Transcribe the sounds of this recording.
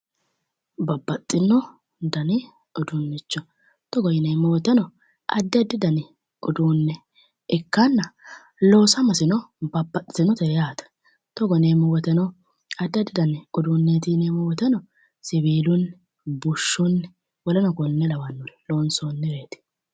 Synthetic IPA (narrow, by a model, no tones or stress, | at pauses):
bɐbːɐt̪ʼːɪnːɔ | d̪ɐnɪ | ɔd̪ʊnːɪt͡ʃːɔ | t̪ɔɡɔjɪnɛmːɔwɔt̪ɛnɔ | ʔɐ̰d̪ːɐd̪ɪd̪ɐnɪ | ʊd̪uːnːɛ | ɪkːɐnːɐ | lo̞ːsɐmɐsɪnɔbɐbːɐt̪ʼːɪnɔt̪ɛjaːt̪ɐ̥ | t̪ɔɡɔneːmʊwɔt̪ɛnɔ | ɐd̪ːɐd̪ɪd̪ɐnʊd̪uːnːɛt̪iːneːmʊwɔt̪ɛnɔ | sɪβiːlʊn | bʊʃːʊnː | wɔlɐnɔkɔnːɛlɐwɐnːʊloːnsonːɛweːt̪ɪ̥